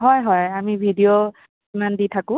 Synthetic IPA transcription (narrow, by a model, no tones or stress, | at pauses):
ɦɔjɦɔjamibʱidijo | imanditʰakʊ̃